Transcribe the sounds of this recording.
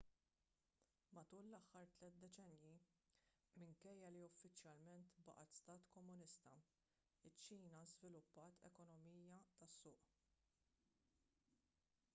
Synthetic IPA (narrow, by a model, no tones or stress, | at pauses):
mɐt̪uːlːɐħːɐɾt̪lɛːt̪̚d̪ɛt͡ʃɛnji | mɪŋkɛjːɐliʊfːɪt͡ʃjɐlmɛnt̪bɐ̰ʔɐt̪st̪ɐːt̪kɔmːʊnɪst̪ɐ | ɪt͡ʃːiːnɐzvɪlʊpːɐːt̪ʰɛ̰kɔnɔmiːjɐt̪ɐsːʊːʔ